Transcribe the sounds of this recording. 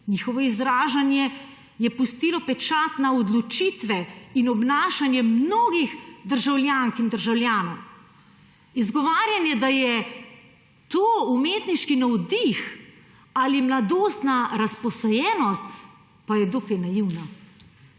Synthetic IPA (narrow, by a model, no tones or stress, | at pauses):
niːxɔʋɔizɾaːʒanjɛ | jɛpust̪iːlɔpɛt͡ʃaːt̪naɔd̪lɔt͡ʃiːt̪ʋɛinɔbnaːʃanjɛmnoːɡixd̪əɾʒawljaːŋkind̪əɾʒawlʲjaːnɔw | izɡɔʋaːɾjanjɛd̪ajɛ | t̪oːumeːt̪niʃkinɔwd̪ix | alimlad̪oːst̪naɾaspɔsɔjɛːnɔst̪ | pajɛd̪okajnajiwna